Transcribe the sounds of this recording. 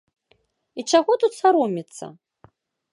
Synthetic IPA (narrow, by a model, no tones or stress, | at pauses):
iʈ͡ʂaɣɔt̪ut̪saɾumʲit̪sɐ̰